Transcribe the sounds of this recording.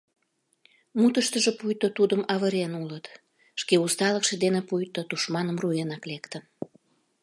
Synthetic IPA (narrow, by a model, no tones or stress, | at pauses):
mut̪əʃt̪əʒepujt̪ot̪ud̪əmɑβəɾenulət̪ | ʃkeust̪ɑləkʃĕd̪enepujt̪ot̪uʃmɑnəmrujenɑklekt̪ə̆